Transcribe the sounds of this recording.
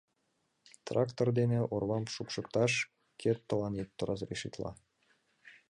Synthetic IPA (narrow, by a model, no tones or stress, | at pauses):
t̪rɑkt̪ord̪eneʔorβɑmʃupʃɤ̆kt̪ɑʃ | kʰet̪ːolɑnet̪ːoɾʔɑzreʃit̪lɑ̰